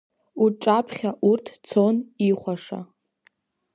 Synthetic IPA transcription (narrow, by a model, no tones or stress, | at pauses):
uʈ͡ʂʼapʰχʲaʔurtʰt͡sʰoniχʷaʂa̰